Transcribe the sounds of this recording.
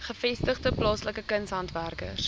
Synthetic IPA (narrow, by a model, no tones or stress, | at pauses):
χəfɛstəχdəplɑːsləkəkənsɦɐntværkə̰s